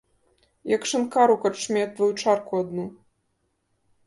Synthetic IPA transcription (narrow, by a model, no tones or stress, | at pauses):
jɐkʂɨnkaɾukɐt͡ʂmʲɛt̪vɐjut͡ʂarkuad̪nu